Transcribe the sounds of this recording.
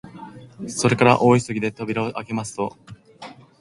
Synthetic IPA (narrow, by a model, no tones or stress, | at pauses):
so̞ɾe̞kaɾa̰ʔo̞ːisɨɡʲid̪e̞t̪o̞bʲiɾaoʔake̞masɨ̥t̪o̞